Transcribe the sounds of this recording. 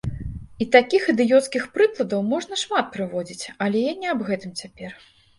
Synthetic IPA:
it̪akʲixɨd̪ɨjɔt̪skʲixpɾɨklˠɐd̪ɐwmɔʐnɐʂmat̪̚pɾɨvɔd͡zʲit͡sʲɐlʲɛjanʲɛɐbɣɛt̪ɨmt͡sʲapʲɛr

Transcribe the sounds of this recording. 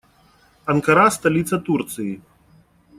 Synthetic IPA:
ɐnkɐɾast̪alʲit̪sɐt̪urt̪sɨji

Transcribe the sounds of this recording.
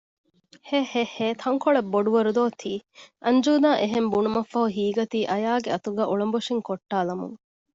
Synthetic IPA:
heheheːt̪ʰɐŋkoɭebːoɖuʋɐɾud̪oːt̪ʰiːʔɐɲd͡ʒuːd̪aːʔeɦembunumɐfːɐɦuɦiːɡɐt̪iːʔɐjaːɡeɐt̪uɡæːʔuɭɐmboʂiŋkoʈːaːlɐmṵŋ

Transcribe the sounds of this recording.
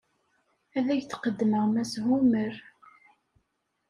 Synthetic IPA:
æðæʝθqəd̪ːməʁmæsɦuməɾ

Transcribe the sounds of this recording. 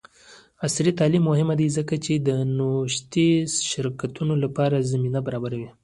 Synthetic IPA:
asɾit̪ɑlimːʊɦɪmad̪izəkat͡ʃed̪ənoʃt̪eʃɪɾkat̪unolapɑɾazaminabaɾɑbaɾawi

